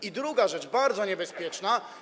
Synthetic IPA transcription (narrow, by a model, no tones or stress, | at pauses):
id̪ɾuɡaʐɛt͡ʂbaɾd̪zɔɲɛbɛspʲjɛt͡ʂna